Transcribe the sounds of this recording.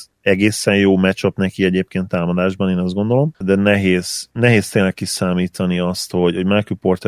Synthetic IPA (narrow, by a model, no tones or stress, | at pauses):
ɛɡeːsɛnjoːmɛt͡ʃopnɛkiɛɟeːp̚keːnt̪ːaːmɒd̪aːʒbɒneːnɒzd̪ɡo̞nd̪o̞lo̞md̪ɛnɛɦeːz̥nɛɦeːst̪eːnlɛkːisaːmiːt̪ʰɒniɒst̪ho̞ɟho̞ɟmalkyport̪